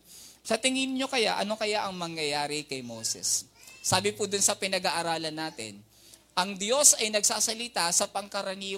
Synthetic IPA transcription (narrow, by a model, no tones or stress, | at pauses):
sɐt̪ɪŋɪnɲo̞kɐja̰ʔɐ̰no̞kɐjaʔɐŋmɐŋjɐjaːɾɪkɐjmowsɛ̰sːaːbɪpʊd̪ʊnsɐpɪnɐɡaʔɐɾaːlɐnːaːt̪ɪ̰n | ʔɐŋd̪jo̞sɐjnɐɡsaːsɐlɪt̪asɐpɐŋkɐɾɐniː